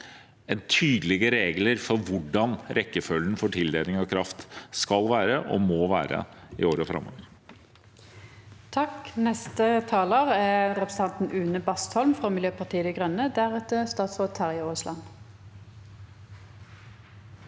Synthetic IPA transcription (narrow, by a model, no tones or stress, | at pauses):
ɛnt̪ʰyːd̪əlɪɡəɾeːɡləɾfɔɾʋʊɖɑnɾʔɛkːəfœlənfɔʈʰɪld̪eːnɪŋɑkʰɾɑft̪skɑlʋæːɾəʔo̰moːʋæ̰ːɾə̰ | ɪ̰oːɾəɔfɾɑ̰mo̰ːʋəɾ | t̪ʰɑknɛst̪ət̪ʰɑːloːʁæʁɛpɾs̩t̪ɑnt̪n̩ʔʉːnəbɑst̪hɔlmfʁoːmɪljøːpɑt̪ʰiːəd̪ɛɡʁœnːəd̪æʁɛt̪əst̪ɑːt̪sʁoːt̪ʰːɑʁɪɑoːslɑn